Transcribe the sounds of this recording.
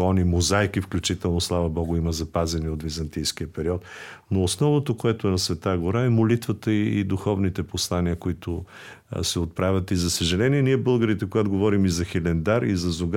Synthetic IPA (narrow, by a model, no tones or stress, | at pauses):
ɔnimozajkifklʲut͡ʃit̪ɛlˠnoslˠavɐbɔɡʊiməzɐpazɛniot̪vizɐnt̪ijskiəpɛɾiɔt̪ | noːsnɔvnot̪okoɛt̪oɛnɐsvɛt̪aɡoɾaɛmolit̪vət̪əiːd̪uxɔvnit̪ɛposlˠaniəkoit̪ʊ | sɛot̪̚pɾavʲət̪izɐsəʒɛlɛniɛniɛbɤlˠɡəɾit̪ɛkoɡat̪oɡovɔɾimizɐxilɛnd̪aɾizɐzoɡ